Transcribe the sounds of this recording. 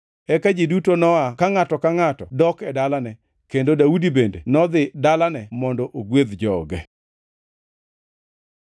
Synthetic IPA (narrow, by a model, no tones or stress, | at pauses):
ɛkad͡ʒidutonɔakaŋatɔkaŋatɔdɔkɛdalanɛ | kendodaudibendenɔd̪ɪdalanɛmɔndɔʔoɡweðd͡ʒɔɡɛ